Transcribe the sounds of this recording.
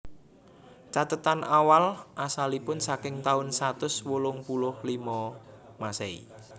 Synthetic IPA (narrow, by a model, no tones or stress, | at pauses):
t͡ʃat̪ət̪anʔawalʔasalipʊnsakɪŋt̪aʊnsat̪ʊswulʊŋpulʊhlimɔ | maseḭ